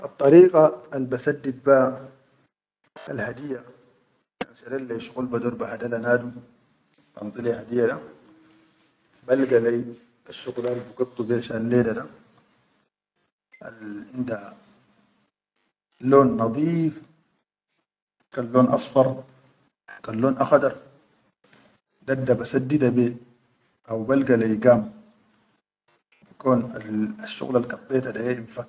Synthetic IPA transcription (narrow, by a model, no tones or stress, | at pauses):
ʔɑt̪ˤːɑɾiːqaalbasad̪ːid̪̚ba | a̰lhad̪ijːa | kanʃaɾeːlːaʃu̥ɣulbad̪uɾˤbahad̪alanaːd̪u | bɑ̰nt̪ˤɨlihad̪ijːad̪a | balɡalaj | aʃːuɣlaːlbuɡɨt̪ˤːubeːʃalːeːdad̪a | a̰lʕɪnd̪a | loːnːɑd̪ˤiːf | kalːoːnʔɑ̰sˤfɑɾˤ | kalːoːnʔaxad̪ɑɾˤ | d̪ad̪ːabasad̪ːid̪abeː | ʔawbalɡalajɡam | bakoːnaaʃːṵɣlalkɑt̪ˤːeːt̪ad̪ajeʔibfa